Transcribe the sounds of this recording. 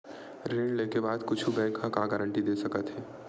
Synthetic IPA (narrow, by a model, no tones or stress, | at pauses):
ɾeːɳleːkebaːd̪kʊt͡ʃʰubɛ̃ːkʰːãkaɡəɾə̃ɳʈid̪eːsɐkət̪ɦɛː